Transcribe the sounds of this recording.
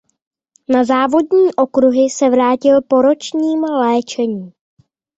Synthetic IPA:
nazaːvo̞dɲiːʔo̞kɾuɦɪsɛvɾaːcɪlpo̞ɾo̞t͡ʃɲiːmlɛːt͡ʃɛɲiː

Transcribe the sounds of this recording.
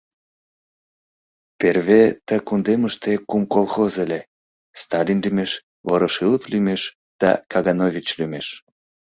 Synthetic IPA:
perβet̪əkund̪eməʃt̪ekumkolˠxozelʲe | st̪ɑlʲinlymeʃ | voɾəʃɨləplymeʃ | d̪̥ɑ̰kɑɣɑnovʲit͡ɕlymeʃ

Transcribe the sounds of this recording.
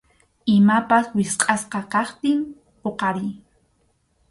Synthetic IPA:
ɪmapaswɪsqʼɑsqɑkɑχt̪ɪm | poqɑɾɪj

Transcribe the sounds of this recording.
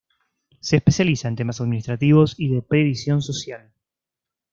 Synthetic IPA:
se̞ːspe̞sjalisaent̪emasaðminist̪ɾat̪iβo̞siðepɾe̞βisjo̞nso̞sjal

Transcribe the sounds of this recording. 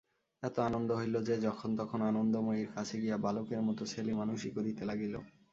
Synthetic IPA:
ɛt̪oanond̪oɦojlod͡ʑed͡ʑɔkʰont̪ɔkʰonanond̪omoiɾkat͡ɕʰeɡijabalokeɾmɔt̪ot͡ɕʰelimanuʃikod̪it̪elaɡilo̰

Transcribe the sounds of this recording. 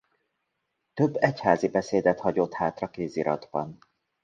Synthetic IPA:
t̪ø̞bːɛchaːzibɛseːd̪ɛt̪hɒɟo̞t̪haːt̪rɒkeːziɾʔɒ̰d̪bɒn

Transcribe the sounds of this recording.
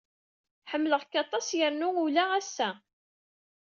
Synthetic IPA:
ħəmːləʁkːɑt̪ˤɑsjəɾnuulææsːæ

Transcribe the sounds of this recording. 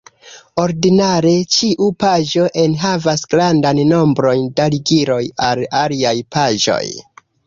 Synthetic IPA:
o̞ɾdinaɾe̞t͡ʃiʔupaʒo̞ʔenɦavasɡ̥ɾandanːo̞mbɾo̞ndaliɡiɾo̞jalaliajpaʒo̞̰j

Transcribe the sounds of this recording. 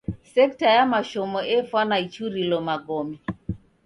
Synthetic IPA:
sɛktajamaʃomɔefwanait͡ʃuɾilɔmaɡomi

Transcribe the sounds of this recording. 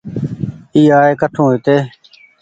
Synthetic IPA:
iːaːeːkəʈʰõːɦit̪eː

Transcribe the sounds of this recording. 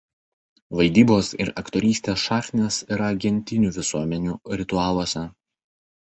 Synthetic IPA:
ʋɐɪd̪ʲiːboːsɪ̰ɾɐkt̪oːɾʲiːsʲt̪ʲeːsʃɑːxʲt̪ʲnʲeːsɪɾɐɡʲɛnʲt̪ʲɪnʲuːʋʲɪsuɔmʲɛnʲuːɾʲɪt̪ʊɑːlˠuɔsʲɛ

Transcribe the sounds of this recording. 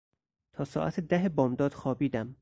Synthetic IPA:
t̪ʰɒːsɒ̰ːʔæt̪ʰed̪æɦebɒːmd̪ɒːd̪̥xɒːbiːd̪æm

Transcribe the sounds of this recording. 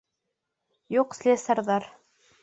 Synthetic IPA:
juqslʲesɑɾðɑɾ

